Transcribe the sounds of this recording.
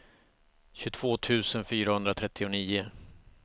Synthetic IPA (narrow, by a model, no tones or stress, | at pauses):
ɕɵt̪ʰv̥oːt̪ʰʉ̟ːsənfyːɾahɵnd̪ɾat̪ʰɾɛt̪ːɪʊniːʊ